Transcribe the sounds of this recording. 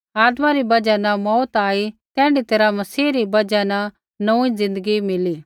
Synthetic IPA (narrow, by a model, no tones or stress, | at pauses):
aːd̪mãɾibɐd͡ʒanɐmɔːt̪aːit̪ɛ̃ːɳɖit̪eːɾamɐsiːɾibɐd͡ʒanɐ | nɐũĩzɪ̃nd̪əɡimɪliː